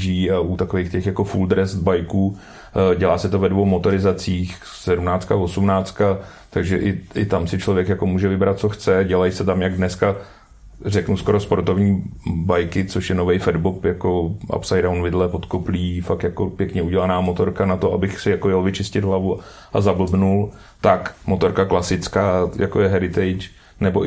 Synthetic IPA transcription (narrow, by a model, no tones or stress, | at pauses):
ʒiːaut̪akovejxcɛxjako̞fuld̪ɾɛst̪bajkuː | ɟɛlaːsɛt̪ovɛdvowmo̞t̪o̞ɾɪzat͡siːx | sɛdumnaːt͡st̪kavosumnaːt͡st̪̚ka | t̪aɡʒɛʔɪʔɪt̪amsɪt͡ʃlo̞vjɛkjako̞muːʒɛvɪbɾat̪̚t͡so̞xt͡sɛɟɛlajsɛt̪amjaɡdnɛska | rɛknusko̞ɾospo̞ɾt̪ovɲiːbajkɪt͡soʃjɛnovɛjfɛdbopjakoʔa̰psajdawnvɪdlɛpo̞t̪kopliːfakjakopjɛkɲɛuɟɛlanaːmot̪o̞ɾkanat̪oabɪxsɪjakojɛlvɪt͡ʃɪscɪd̪ɦlavu | ʔazabl̩bnul | t̪akmo̞t̪o̞ɾkaklasɪt͡skaːjakojɛɦɛɾɪt̪ɛjt͡ʃ | nɛbo